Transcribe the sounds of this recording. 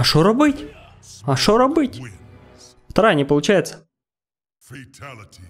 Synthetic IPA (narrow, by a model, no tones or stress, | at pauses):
ɐʂoɾɐbɨtʲ | ɐʂoɾɐbɨtʲ | ft̪ɐɾajnʲɪpəlˠʊt͡ɕæjɪt̪sə̥